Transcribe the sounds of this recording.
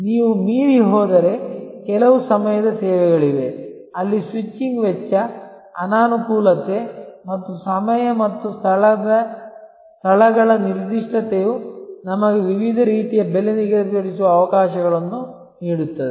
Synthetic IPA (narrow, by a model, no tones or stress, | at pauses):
niːʋumiːɾiɦɔːd̪ɐɾe̞kɛlɐʋusɐmɐjɐd̪ɐseːʋɛɣɐɭiʋe̞ | ɐlːisʋit͡ʃːiŋɡʋɛt͡ʃːɐ | ɐnaːnukuːlɐt̪e̞mɐt̪ːusɐmɐjɐmɐt̪ːust̪ʰɐɭɐd̪ɐ | st̪ʰɐɭɐɡɐɭɐniɾd̪iʂʈʰɐt̪ejunɐmɐɡeʋiʋid̪ʱɐɾiːt̪ijɐbeleniɡɐpeɽisuʋɐːʋɐkaːʃɐɣɐɭɐnːu | niːɽut̪ːɐd̪e